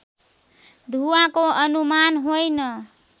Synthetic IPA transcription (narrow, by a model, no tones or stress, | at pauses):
d̪ʱuãkoʔʌnumanɦojnʌ